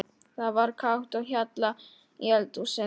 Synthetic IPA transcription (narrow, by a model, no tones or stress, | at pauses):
θaðvaɾkʰawht̪awçat̪la | jɛlt̪usɛ